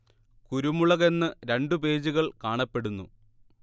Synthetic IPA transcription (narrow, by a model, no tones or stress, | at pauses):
kuɾumuɭɐɣe̞nːɨɾe̞ɳɖɨpe̞ːd͡ʑuɣɐɭkaːɳɐpːe̞ɽunːṵ